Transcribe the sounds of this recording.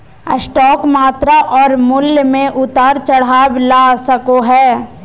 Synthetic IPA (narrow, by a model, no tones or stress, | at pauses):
əsʈɔːkmaːt̪ɾaʔɔːɾmʊljmẽʔʊt̪aːɾt͡ʃɐɽ̤aːblaːsəkoɦɛː